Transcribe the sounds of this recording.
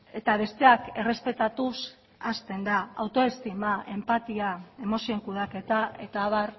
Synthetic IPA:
e̞t̪aβ̞e̞st̪e̞ake̞re̞spe̞t̪at̪us | ast̪e̞nd̪aawt̪o̞est̪imaʔe̞mpat̪iae̞mo̞sio̞ŋkuð̞ake̞t̪ae̞t̪aːβar

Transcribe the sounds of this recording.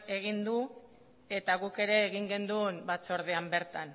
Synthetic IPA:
e̞ɣ̞ind̪u | e̞t̪aɣuke̞ɾe̞ːɣiŋɡe̞nd̪unbat͡so̞ɾðe̞ambe̞ɾt̪an

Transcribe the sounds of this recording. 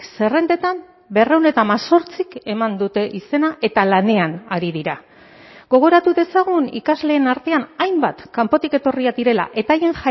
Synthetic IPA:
se̞re̞nd̪e̞t̪am | be̞re̞wne̞t̪amaso̞ɾt͡sike̞mand̪ut̪e̞ʔise̞naʔe̞t̪alane̞anaɾiðiɾa | ɣo̞ɣ̞o̞ɾat̪uðe̞saɣ̞unḭkazle̞ːnaɾt̪e̞anajmbat̪kampo̞t̪ike̞t̪o̞riad̪iɾe̞la̰ʔe̞t̪aje̞ŋʝa

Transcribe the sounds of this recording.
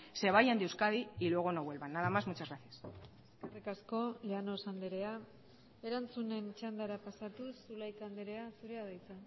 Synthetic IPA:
se̞β̞ajand̪iewskaðiilueɣ̞onoβwe̞lβanːaðamazmut͡ʃazɣɾaθias | skarekasko̞leano̞sand̪eɾe̞a | e̞ɾant͡sune̞nt͡ʃand̪aɾapasat̪usulajt̪and̪eɾe̞asuɾe̞aðajt͡s̪a

